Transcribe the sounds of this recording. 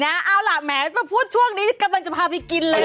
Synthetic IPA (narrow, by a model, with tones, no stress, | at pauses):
na˦˥ʔa˧wlaː˨˩k̚mɛː˨˦baː˨˩pʰuː˥˩t̪̚t͡ɕʰu˥˩əŋniː˦˥˧ka˧mla˧ŋt͡ɕa˨˩pʰaː˧˩pʰiː˧ki˧nlɤː˧